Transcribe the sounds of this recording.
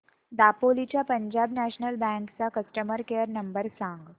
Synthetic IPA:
d̪apolit͡ɕjapəɲd͡ʑabnæɕnəlbæ̃ŋkt͡sakəsʈəməɾkejəɾnəmbəɾsãŋɡ

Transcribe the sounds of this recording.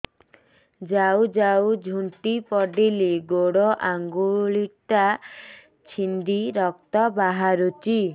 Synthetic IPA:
d͡ʒawd͡ʒawd͡ʒʱuɳʈipɔɖiliɡoɽɔʔaŋɡuɭiʈa | t͡ʃʰind̪iɾɔk̚t̪ɔbaɦaɾut͡ʃi

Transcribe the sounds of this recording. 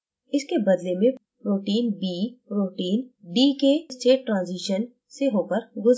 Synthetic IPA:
ɪskebɐd̪lemẽ | ɾoːʈiːnbiːɾoːʈiːnɖiːkesʈeːʈʈɾãːnziːʃən | seɦoːkəɾɡʊz

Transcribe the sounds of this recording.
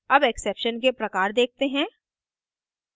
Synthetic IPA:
ɐbɛksɛpʃənk̬epɾɐkaːɾd̪eːk̚t̪eɦɛ̃ː

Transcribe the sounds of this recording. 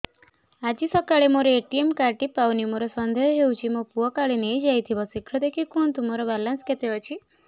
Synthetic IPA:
ad͡ʒisɔkaɭemoɾeeʈiemkaɾʈipawnimoɾosɔnd̪ʱɔjɔɦeũt͡ʃʰimopuɔkaɭinejd͡ʒajt̪ʰibɔsikʰːɔd̪ekʰikunt̪umoɾobalansket̪eɔt͡ʃʰi

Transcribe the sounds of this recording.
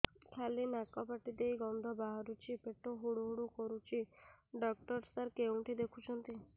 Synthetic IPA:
kʰjalinakɔpaʈid̪ejɡɔnd̪ʱɔbaɦɔɾut͡ʃʰipeʈoɦuɽuɦuɽukɔɾut͡ʃʰiɖɔk̚ʈɔɾsaɾkeũʈʰid̪ekʰut͡ʃʰɔnt̪i

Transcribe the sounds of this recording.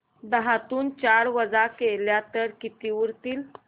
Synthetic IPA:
d̪əɦat̪uːnt͡ɕaɾʋəd͡zakeljat̪əɾkit̪iʋuɾt̪iːl

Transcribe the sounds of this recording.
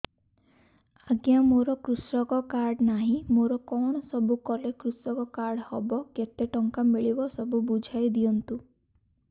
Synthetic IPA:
aɡjamoɾɔkɾusɾɔkɔkaɾɖnaɦĩmoɾɔkɔɽ̃ɔsɔbʱukɔlekɾusɔkɔkaɾɽhɔbɔket̪eʈɔŋkamiɭibɔsɔbubud͡ʒʱajd̪iɔnt̪u

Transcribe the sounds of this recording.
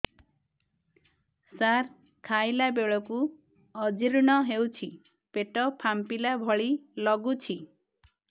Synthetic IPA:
saɾ | kʰajlabeɭɔku | ɔd͡ʒiɾɽ̃ɔɦewt͡ʃʰi | peʈɔpʰampilabʱɔɭilɔɡut͡ʃʰi

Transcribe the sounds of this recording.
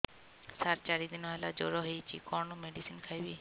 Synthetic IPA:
saɾt͡ʃaɾid̪inɔɦelad͡ʒo̰ɾɔɦejt͡ʃʰikɔnɔmeɖisinkʰajbiː

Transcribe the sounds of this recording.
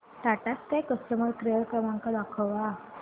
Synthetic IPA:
t̪aʈask̪ajkəsʈəməɾkɾeɭkɾəmãŋkad̪akʰəʋa

